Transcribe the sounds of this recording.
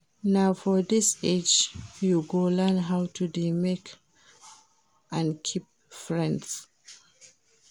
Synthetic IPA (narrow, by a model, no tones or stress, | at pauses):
naʊfɔdised͡ʒjuɡolɛnɦawtʰudimek | ʔãnkʰip̚ | fɹɛ̃nds